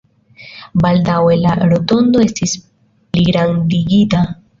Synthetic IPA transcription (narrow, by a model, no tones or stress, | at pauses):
baldawe̞laɾo̞to̞ndo̞e̞stis | pliɡɾandiɡita